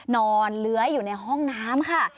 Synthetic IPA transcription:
nɔː˧nlɯ˦˥ɐjuː˨˩na˧jɦɔ˥˩ŋnaː˦˥mkʰa˥˩

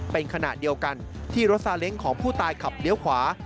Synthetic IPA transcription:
pe˧nkʰa˧na̰˨˩di˧əwka˧n | t̪ʰiː˥˩ɾo˦˥t̪̚saː˧le˦˥ŋkʰɔː˩˦ŋpʰuː˥˩t̪aː˧jkʰa˨˩p̚li˦˥əwkʰwaː˩˦

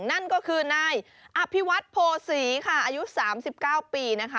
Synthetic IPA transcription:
na˥˩nkɔː˥˩kʰɯː˧naː˧j | ʔa˧pʰi˦˥wa˦˥t̪̚pʰoː˧siː˩˦kʰa˥˩ʔaː˧ju˦˥saː˩˦msi˨˩p̚kaː˥˩wpiː˧na˦˥kʰa˦

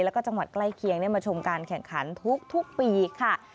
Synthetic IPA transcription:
lɛː˦˥kɔː˥˩t͡ɕa˧ŋwa˨˩t̪̚kla˥˩jkʰi˧˥əŋni˥˩ɐmaː˧t͡ɕʰo˧mkaː˧nkʰɛ˨˩ŋkʰa˩˦nt̪ʰu˦˥k̚t̪ʰu˦˥k̚piː˧kʰa˥˩

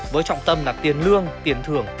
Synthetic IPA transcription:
vəː˨˦jt͡ɕɔ̰˧˨wŋ͡mt̪ə˧mlaː˨˩t̪i˨˩ənlɨ˧əŋt̪i˧˩ənt̪ʰɨ˨˩əŋ

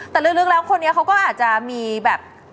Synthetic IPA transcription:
t̪ɛː˨˩lɯ˥˩lɯ˥˩k̚laː˦˥ŋkʰo˧nːi˦˥kʰa˦˥wkɔː˥˩ʔaː˨˩t̪̚t͡ɕa˨˩miː˧bɛː˨˩p̚

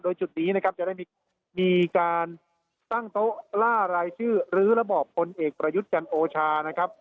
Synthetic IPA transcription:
doː˧jt͡ɕu˨˩t̪̚niː˦˥na˦˥kʰa˦˥p̚t͡ɕa˨˩da˥˩j | miː˧kaː˧n | t̪a˥˩ŋt̪o˦˥ʔlaː˥˩ɾaː˧jt͡ɕʰɯː˥˩ɾɯː˦˥ɾa˧bɔː˨˩pʰːo˧nʔeː˨˩k̚pɾa˧ju˦˥t̪̚t͡ɕa˧nʔoː˧t͡ɕʰaː˧na˦˥kʰa˦˥p̚

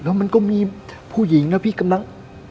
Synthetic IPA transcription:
lɛ˦˥wma˧nkɔː˥˩miː˧ | pʰuː˥˩ji˨˩˦ŋlɛ˦˥wpʰiː˥˩ka˧mla˧ŋ

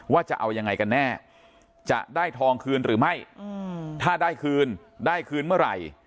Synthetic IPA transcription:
waː˥˩t͡ɕa̰˨˩ʔa˧wja˧ŋːa˧jka˧nːɛː˥˩ | t͡ɕa̰˨˩ʔdaː˥˩jt̪ʰɔː˧ŋkʰɯː˧nɾɯː˩˦ma˥˩j | t̪ʰaː˥˩daː˥˩jkʰɯː˧n | daː˥˩jkʰɯː˧nmɯ˥˩ɐɾa˧˩j

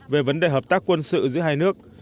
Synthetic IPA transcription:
ve˨˩və˨˦nɗe˨˩ɦəː˨˩p̚t̪aː˦˥kːwə˧nsɨ̰˧˨zɨ̰˧˥əɦaː˧jnɨ˦˥ək̚

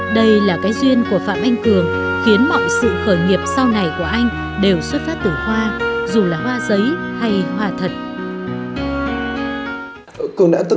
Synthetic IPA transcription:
ɗə˧jlaː˨˩kaː˨˦jzwi˧ənku˧˩əfa̰ː˧˨mʔa˧jŋ̟t̪ɨ˨˩əŋxi˨˦ənmɔ̰˧˨nsɨ̰˧˨xəː˧˩jŋi˨˩əp̚sa˧wna˨˩jku˧˩əʔa˧jŋ̟ | ɗe˨˩wswt̚faː˦˥p̚t̪ɨ˨˩hwaː˧zu˨˩laː˨˩hwaː˧zə˨˦jha˧jhwaː˧t̪ʰə˨˩t̚ | ku˧na̰ː˧˥t̪

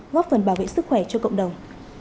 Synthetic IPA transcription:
ɣɔ˦˥p̚fə˨˩nɓaː˧˩wvḛ˧˨ŋsɨ˦˥k̚xwɛ˧˩t͡ɕɔ˧kə̰˧˨wŋ͡mɗə˨˩wŋ͡m

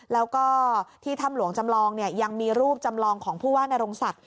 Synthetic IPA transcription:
lɛː˦˥wkɔː˥˩t̪ʰiː˥˩t̪ʰa˥˩mlu˨˩˦əŋt͡ɕa˧mlɔː˧ŋni˥˩ɐja˧ŋmiː˧ɾuː˥˩p̚t͡ɕa˧mlɔː˧ŋkʰɔː˩˦ŋpʰuː˥˩waː˥˩na˧ɾo˧ŋsa˨˩k̚

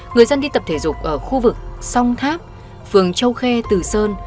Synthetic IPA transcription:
ŋɨ˨˩əjzə˧nɗi˧t̪ə˨˩p̚t̪ʰe˧˩zʊ˨˩k͡p̚ʔəː˧˩xu˧vɨ˨˩k̚sa˧wŋ͡mt̪ʰaː˦˥p̚ | fɨ˨˩əŋt͡ɕə˧wxɛ˧t̪ɨ˨˩səː˧n

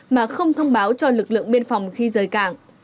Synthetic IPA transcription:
maː˨˩xə˧wŋ͡mt̪ʰə˧wŋ͡mɓaː˨˦wt͡ɕɔ˧lɨ˨˩k̚lɨ̰˧˨əŋɓi˧ənfɔ˨˩wŋ͡mxi˧zəː˨˩jkaː˧˩ŋ

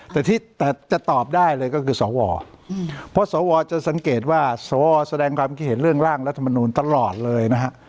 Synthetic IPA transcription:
t̪ɛː˨˩t̪ʰiː˥˩t̪ɛː˨˩t͡ɕa˨˩t̪ɔː˨˩p̚daː˥˩jlɤː˧jkɔː˥˩kʰɯː˧sɔː˩˦wɔ̰ː˧ | pʰɔ˦˥sɔː˩˦wɔː˧t͡ɕa˨˩sa˩˦ŋkeː˨˩t̪̚waː˥˩sɔː˩˦wɔː˧sa˧dɛː˧ŋkʰwaː˧mkʰt̪̚he˩˦nɾɯ˥˩əŋɾaː˥˩ŋɾa˦˥t̪ʰːa˧ma˧nuː˧nt̪a˧lɔː˨˩t̪̚lɤː˧jna˦˥kʰa˦˥ʔ

